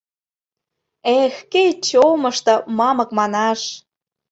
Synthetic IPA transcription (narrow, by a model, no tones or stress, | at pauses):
exkejt͡ɕomɤʃt̪ɤ̆mɑmɤ̆kmɑnɑʃ